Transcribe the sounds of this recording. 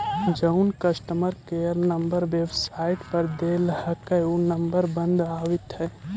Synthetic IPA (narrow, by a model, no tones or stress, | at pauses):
d͡ʒəʊnkəsʈəməɾkejəɾnəmbəɾʋeːbsaːɪʈpəɾd̪eːlhəkəunəmbəɾbə̃nd̪aːʋɪt̪ɦɛː